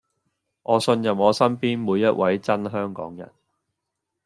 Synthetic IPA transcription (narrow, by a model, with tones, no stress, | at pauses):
ʔɔː˨˧sɵ˧njɐ˨mɔː˨˧sɐ˥mpiː˥nmuː˨˧jːɐ˥t̚wɐ˨˥jt͡sɐ˥nɦœː˥ŋkɔ̰ː˨˥ŋjɐ̰˨˩n